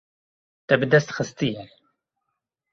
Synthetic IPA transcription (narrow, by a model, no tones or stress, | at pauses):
t̪ɛbɨd̪ɛst̪xɨst̪ijɛ